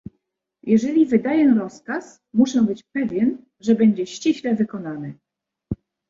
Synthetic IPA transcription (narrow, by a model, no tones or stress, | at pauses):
jɛʐɛlʲivɘd̪ajɛɾɔskas | muʂɛbɘt͡ɕpɛvʲjɛn | ʐɛbɛɲd͡ʑɛɕt͡ɕiɕlɛvɘkɔnanɘ